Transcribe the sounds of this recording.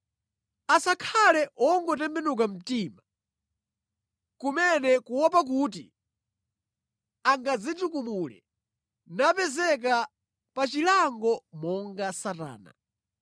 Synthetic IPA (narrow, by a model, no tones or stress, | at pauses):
asakʰalɛɔŋɡɔtɛmbɛnuk̬am̩tima | kumɛnɛkuwɔp̬ak̬ut̬ḭ | aŋɡad͡zitukumulɛ̰ | napɛzɛk̬a | pat͡ʃilaŋɡɔmɔŋɡasata̰ːna̰